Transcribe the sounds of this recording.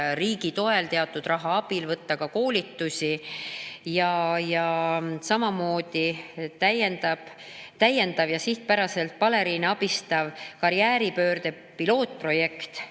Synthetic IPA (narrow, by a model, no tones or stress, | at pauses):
riːɡ̥it̪o̞e̞lt̪e̞ɑt̪ːˑud̪̥rɑɦɑɑb̥ilvɤt̪ːɑkɑko̞ːlit̪ːusi | jɑjɑsɑmɑmo̞ːd̪̥it̪æjend̪ɑb̥t̪æje̞nd̪̥ɑvjɑsiht̪̚pæɾɑse̞lt̪̚pɑle̞ɾiːneɑb̥ist̪ɑvkɑɾjæːɾipø̞ːɾd̪̥e̞ | pilo̞ːt̪̚ˑpro̞je̞kt̪